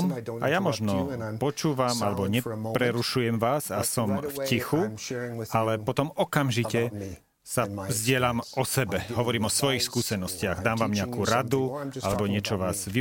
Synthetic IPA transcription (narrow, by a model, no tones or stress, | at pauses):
ma̰jamɔʒnɔpɔt͡ʃuːʋamalɛbɔɲɛpɾɛɾuʃujɛmʋaːzasɔmfcixu | alɛpɔt̪ɔmɔkamʒicɛ | savzɟɪɛʎamʔɔsɛbɛɦɔʋɔɾiːmɔsʋɔjixskuːsɛnɔscɪaɣd̪aːmʋaːmɲɛakuːɾad̪ualɛbɔɲɪɛt͡ʃɔʋaːz̥ʋi